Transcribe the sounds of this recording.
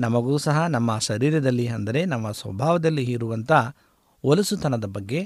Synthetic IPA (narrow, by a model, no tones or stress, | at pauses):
nɐmɐɡuːsɐɦɐnɐmːɐʃɐɾiːɾɐd̪ɐlːiɐnd̪ɐɾe̞nɐmːɐsʋɐ̰bʱaːʋɐd̪ɐlːiɦiɾuʋɐnt̪ɐ | olɐsut̪ʰɐnɐd̪ɐbɐɡːe̞